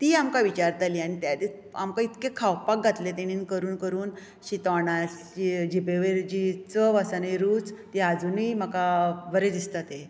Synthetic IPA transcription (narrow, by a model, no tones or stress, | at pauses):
t̪iːamkaʋit͡ɕaɾt̪aliːañit̪jad̪et͡s | amkãit̪kekʰawpak̚ɡʱat̪let̪̬eɽ̃iːnkəɾuːnkəɾuːn | ɕit̪ɔɽa | id͡ʑibeʋeɾd͡ʑit͡səʋasanaiɾuːt͡st̪iad͡zunim̤əkaʋəɾed̪ist̪at̪e